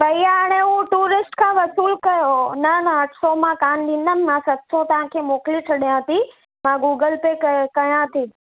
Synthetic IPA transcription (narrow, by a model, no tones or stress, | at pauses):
bɐijaəɽ̃eũʈuːɾɪsʈkʰãːʋɐsuːlkɐjonɐnəːʈʰsomãkaːnɗ̪ĩnəmmãsɐt̪sõt̪ɐʋãkʰemoːklit͡ʃʰɐɗijãt̪ʰi | mãɡuːɡəlpekkɐɦjãt̪ʰi